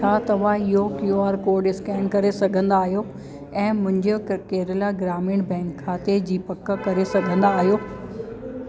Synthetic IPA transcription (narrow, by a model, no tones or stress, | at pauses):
aːt̪ɐʋ̤ãɪɦokjuaːɾkoːɾɖɪskɛ̃ːnkɐɾesɐɡʱə̃nd̪aːɦijo | ɛ̃ːmʊ̃ɦɪ̃ɲd͡ʑokeːɾɪlaɡɾaːmɪɽ̃bɛ̃ːŋkʰːaːt̪ed͡ʑiːpɐkkɐɾesɐɡʱə̃nd̪aːɦijoː